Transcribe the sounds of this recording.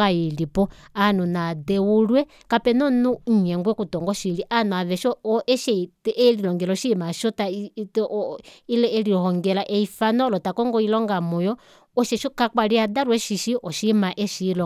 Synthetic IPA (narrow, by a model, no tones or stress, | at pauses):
ajilipɔanunadɛwulwɛ | kapɛnɔnuɲ̩ɲɛŋɡwɛkutɔŋɡɔʃiliʔanuaβɛʃɔɔʔɛʃɛtɛlilɔŋɡɛlɔʃimaʃɔta | ilɛliɔhɔŋɡɛlaʔɛifanɔlɔtakɔŋɡɔilɔŋɡamɔjɔ | ɔʃɛʃɔkakwaliadaɾwɛʃiʃiʔɔʃimaʔɛʃilɔ